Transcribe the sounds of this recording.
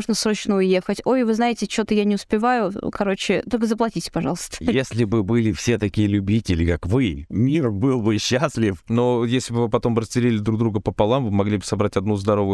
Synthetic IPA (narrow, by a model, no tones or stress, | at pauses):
uʐnəsɾo̞t͡ɕnəʊje̞xətʲo̞jvɨznaɪtʲɪt͡ɕɪot̪əjanʲɪʊspʲɪvajʊkɐɾo̞t͡ɕɪt̪o̞lʲkəzəplˠɐtʲitʲɪ̥pɐʐɑlˠəst̪ə̥jesʲlʲɪbɨbɨlʲɪfsʲet̪ɐkʲijəlʲʊbʲitʲɪlʲɪkakvɨmʲiɾəvbɨlˠbɨɕːasʲlʲɪfno̞jesʲlʲɪbɨvɨpɐt̪o̞mbɨɾəsʲt̪ʲɪɾʲilʲɪd̪ɾuɡ̚d̪ɾuɡəpəpɐlˠamvɨmɐɡlʲibɨsɐbɾatʲɐd̪nuzd̪ɐɾo̞vəjʊ